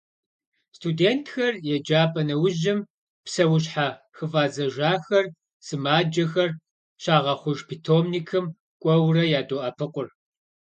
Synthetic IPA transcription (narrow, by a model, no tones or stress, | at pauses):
stʰudeːntʰxɐrjɛd͡ʒaːpʼɐnɐwʊʑɪm | psɐwʊɕħa | xɨvaːzɐʒaːxɐr | sɨmaːd͡ʒɐxɐr | ɕaːʁɐχʷʊʒpʰitʰoːmnikʰɨm | kʷʼɔwrɐjaːdoːʔɐpʰɨqʷʼʊr